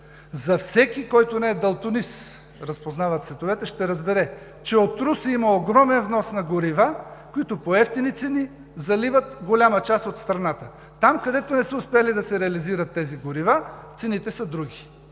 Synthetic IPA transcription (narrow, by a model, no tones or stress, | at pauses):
zɐfsɛkikɔjt̪onɛɛd̪ɐlˠt̪ʊnis | ɾɐspoznavət̪svɛt̪ovɛt̪ɛʃt̪ɛɾɐzbɛɾɛ | t͡ʃɛot̪ɾusimɐoɡɾɔmɛnvnɔsnɐɡoɾivakoit̪opoɛft̪init̪sɛni | zɐlivət̪ɡolʲamət͡ʃast̪ot̪st̪ɾɐnat̪ə | t̪amkɐd̪ɛt̪onɛsəʊspɛalid̪ɐsɛɾɛɐliziɾɐt̪ːɛziɡoɾivat̪sɛnit̪ɛsɐd̪ɾuɡʲi